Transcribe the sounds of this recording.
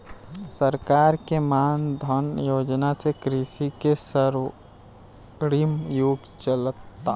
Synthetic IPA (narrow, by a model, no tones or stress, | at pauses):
səɾkaːɾkemaːnd̪ʱənjoːd͡ʒnasekɾiʃikesəɾ | ɾimjuɡ | t͡ʃəlt̪ːa